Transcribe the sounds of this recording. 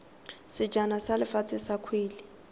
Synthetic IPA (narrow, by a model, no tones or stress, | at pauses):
sɪ̥d͡ʒʱanasalɪfat͡sʰʼɪsakʰwiːlɪ